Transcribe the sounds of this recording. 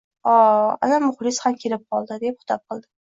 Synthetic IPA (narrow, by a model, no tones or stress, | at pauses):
ɒa̰namʊχlɪshamkʲʰe̞lɪp̚qʰɒlˠd̪ɪd̪ep̚χʊ̥t̪ʰɒp̚qɨlˠd̪ɪ